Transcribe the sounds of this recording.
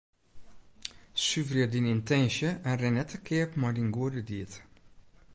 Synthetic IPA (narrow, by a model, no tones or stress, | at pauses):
syvrədinintɛnʃjəʔɛnrɛnɛtʰəkʰɪəpmɔdinɡuədədiət